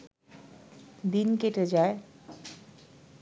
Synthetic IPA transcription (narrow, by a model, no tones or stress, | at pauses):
d̪inkeʈed͡ʑae